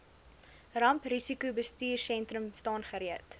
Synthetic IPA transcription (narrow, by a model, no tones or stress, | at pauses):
rɐmprisikubəstiːrsɛntrəmstɑːnχəɾiət